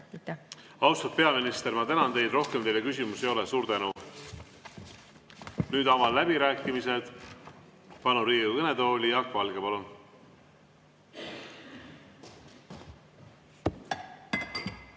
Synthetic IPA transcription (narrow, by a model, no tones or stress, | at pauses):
ɑwst̪ud̪̥̚pe̞ɑminist̪e̞rmɑt̪ænɑnt̪e̞jd̪ro̞hkemt̪e̞jle̞kysʲimusejo̞lesuːɾt̪ænu | nyːd̪ɑmɑlːæb̥iɾæːkːˑimise̞d̪̥ | pɑnuɾiːukɤne̞d̪oːlʲijɑkːɑlɡ̥epɑlun